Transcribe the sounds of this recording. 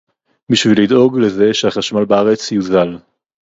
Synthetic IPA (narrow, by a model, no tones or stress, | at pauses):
biʃvilido̞ɡleze̞ʃeaχaʃmalbaaʁe̞t͡sjuzal